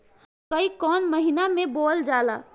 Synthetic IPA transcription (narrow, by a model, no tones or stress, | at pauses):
kəikɔːnməɦinamẽbold͡ʒala